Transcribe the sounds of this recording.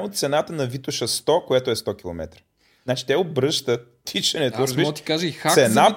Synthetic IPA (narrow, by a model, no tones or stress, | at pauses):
mot̪t̪sɛnat̪ənɐvit̪ʊʃəst̪ɔkojat̪ʊɛst̪ɔk̟ilˠo̰mɛ̰t̪ɾə̥ | znat͡ʃi̥t̪ɛobɾɤʃt̪ət̪ː | it͡ʃɛnɛt̪oɾɐzbiɔt̪ikaʒəixasɛd̪na